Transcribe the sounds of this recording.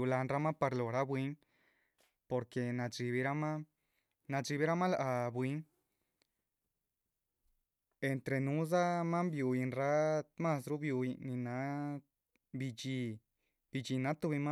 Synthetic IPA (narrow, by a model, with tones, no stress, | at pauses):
u˧la˧nɾa˧˦mã˦pa˧ɾlo˨ɾa˦βʷwʷi˦ŋ | po˧ɾke˧nã˧ʐi˧βi˧˦ɾa˦mã˦ | nã˧ʐi˧βi˦ɾa˦mã˦la˧ʔa˧βwi˧˦ŋ | e˧nt̪ɾe˧nũ˦za˦mã˦mbju˧i˧nɾa˦mã˦˧sɾu˦βju˧i˧nĩ˧nã˨˦ | bi˧d͡ʒi˧ | bi˧d͡ʒi˧nã˨˦t̪u˧βi˧ma˦